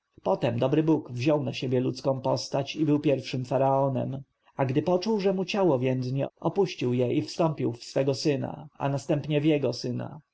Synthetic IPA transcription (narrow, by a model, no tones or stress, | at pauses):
pɔt̪ɛmd̪ɔbɾɘbukvʑɔwnaɕebʲjɛlut̪skɔ̃w̃pɔst̪at͡ɕibɘwpʲjɛɾfʂɘmfaɾaɔnɛ̰m | aɡd̪ɘpɔt͡ʂuwʐɛmut͡ɕawɔvʲjɛnd̪zɲɛ̰ɔpuɕt͡ɕiwjɛʔifst̪ɔmpʲiwfsfɛɡɔsɘna̰a̰nast̪ɛmpɲɛvjɛɡɔsɘna̰